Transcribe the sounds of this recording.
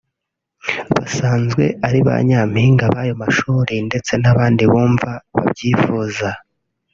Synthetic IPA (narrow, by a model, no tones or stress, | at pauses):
βa̰saːnzɡwe̞̰aɾiβa̰ɲam̥hiːŋɡaβajo̞maʃuːɾinde̞t͡se̞naβaːndiβuːɱvaβa̰bɟiːfuːza